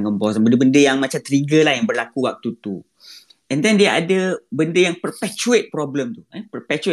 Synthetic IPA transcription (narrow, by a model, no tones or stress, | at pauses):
ŋkəmpɔsanbəndəbəndəjaŋmãt͡ʃamt̪əɾiɡəlahjaŋbərlakuwak̚t̪ut̪u | ɛ̃nd̪ɛndiaʔadəbəndəjaŋpərpɛt͡ʃuet̪̚pɾɔbləmt̪uəpərpɛt͡ʃu